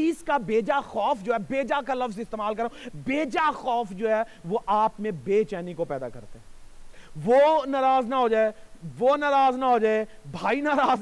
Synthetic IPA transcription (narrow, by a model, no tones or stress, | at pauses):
iːskabeːd͡ʒaxɔːfd͡ʒoːɦɛbeːd͡ʒakalɐfzɪst̪eːmaːlkɐɾõbeːd͡ʒaxɔːfd͡ʒoːɦɛː | ʋoʔaːpmẽbeːt͡ʃɛːnikopɛːd̪a̰kɐ̰ɾt̪eɦɛ̃ː | ʋoːnaːɾaːznaɦod͡ʒaːeʋoːnaːɾaːznaɦoːd͡ʒaːe | bʱaːinaːɾaːz